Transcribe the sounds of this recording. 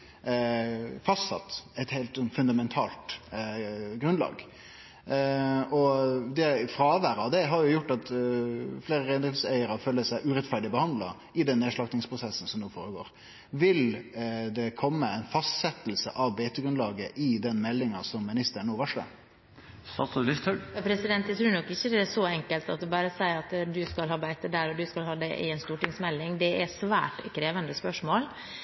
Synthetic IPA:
fɑst̪sɑ̰t̪ːɛɪt̪hɛɪlt̪sɔnfʉnd̪ɑmɛnt̪ʰɑ̰ːlt̪ | ɡɾʉnlɑ̰ːɡ | ɔd̪ɛfɾɑːʋæːɾɑʋd̪ɛɦɑɾjʊjʊʈːɑt̪ | fleːɾəɾæɪnd̪ɪfsæɪəɾɑføːlːəsæɪʔʉɾɛt̪fæɖɪbəhɑnd̪lɑ | ɪd̪ɛnːeːʂɭɑktnɪŋspʰʁʊsɛsːn̩sɔmnuːfoːɾəɡo̰ːɾ | ʋɪld̪ɛkʰɔmːəæɪnfɑst̪sɛt̪lsə̰ʔɑʋbeːt̪əɡɾʉnd̪ɑːɡəʔɪd̪ɛnmɛlːɪŋɑsɔmːɪnɪst̪əɳuːʋɑʂlə̰ | sɑ̰səlɪst̪œɑpʰɾɛsɪd̪ɛnt̪jæɪt̪ʰɾʉːnɔkːɪçːəd̪ɛæʂɔɛŋkəlt̪ɑ̰t̪̚d̪ɛbɑːɾəsæɪɾɑt̪d̪ʉskɑlɦɑːbæɪt̪əd̪æɾɔd̪ʉskɑlhɑːd̪ɛ̰ʔɪ̰ɛnst̪uːʈɪŋsmɛlːɪŋd̪ɛʔæsʋæ̰ːʈkʰɾeːʋənd̪əspœʂmoːl

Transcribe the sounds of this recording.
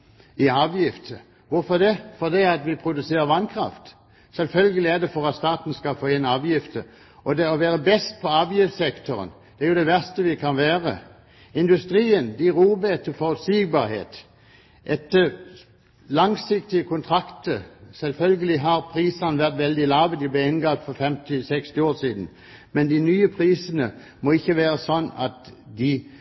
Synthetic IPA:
ɪɑːʋjɪft̪ʰə | ʋʊɾfɔd̪ɛfɔd̪ɛæɑt̪ʋɪpʰɾʊd̪ʉseːʁəʋɑnkʰʁɑ̰ft̪ | sɛlfœlɡəlɪæʁd̪ɛfɔʁɑt̪st̪ɑːt̪n̩skɑfoːɪnɑːʋjɪft̪ʰə | ɔd̪ɛɔʋæːʁəbɛst̪̚pʰɔɑːʋjɪft̪sɛkt̪ʰɔʁə̰n | d̪̥ɛæʁjʊd̪ɛʋæʁst̪əʋɪkʰɑnʋæːʁə̰ | ɪnd̪ʉst̪ʁiːənd̪ɪʁuːbəɛt̪ʰːəfɔʁʉt̪siːɡbɑːʁhḛːt̪ | ʔɛt̪ːə | lɑŋsɪkt̪ɪəkʰʊnt̪ʰʁɑkt̪əsɛlfœlɡəlɪɦɑʁpʰʁiːsənəʋæʁt̪ʋɛld̪ɪlɑːʋəd̪ɪblɛɪnɡɑːt̪fɔʁfɛmt̪ɪsɛkst̪ɪoːsiːd̪n̩ | mɛnd̪ɪnyːəpʰʁiːsənə | mɔɪçːəʋæːʁəsɔnːɑt̪d̪ɪ

